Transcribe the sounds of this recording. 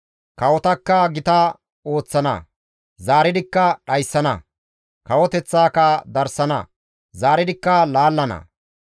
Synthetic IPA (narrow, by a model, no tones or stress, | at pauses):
kɐwɔt̪ɐkːɐɡɪt̪ɐ | o̞ːt͡sːɐnɐ̰ | zaːɾɪd̪ɪkːɐɗɐjsːɐnɐ̰ | kɐwɔt̪ɛt͡sːaːkɐd̪ɐɾsɐnɐ̰ | zaːɾɪd̪ɪkːɐlaːlːɐnɐ̰